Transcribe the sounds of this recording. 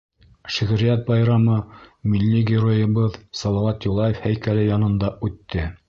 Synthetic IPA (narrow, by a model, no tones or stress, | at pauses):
ʃɘ̆ɣɘ̆ɾijæt̪̚bɑjɾɑmɤmilʲːiɡʲɪɾojɤ̆βɤðsɑlˠɑwɑt̪julˠɑjefhæjkælɘjɑnɤ̆nd̪ɑʉt̪ːɘ